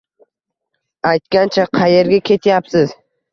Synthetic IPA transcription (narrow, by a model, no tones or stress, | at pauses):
ajt̪kʲant͡ʃʰaqʰɑje̞ɾɡʲakʲʰe̞t̪ʰjapsɪz